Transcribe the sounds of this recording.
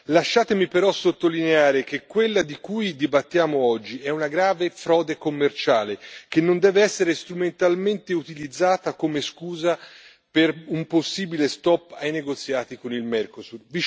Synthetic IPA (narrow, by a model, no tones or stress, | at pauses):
laʃːaːt̪emipeɾɔsot̪ːolineaːɾek̟ekːwelːad̪ikujd̪ibat̪ːjaːmoɔd͡ʒːiɛunaɡɾaːvefɾɔːd̪ekomːert͡ʃaːlek̟enːond̪ɛːveɛsːeɾest̪ɾument̪alment̪eut̪ilid̪zːaːt̪akomeskuːza | perumposːiːbilest̪ɔpːajneɡot̪sːjaːt̪ikonilmɛrkosurvi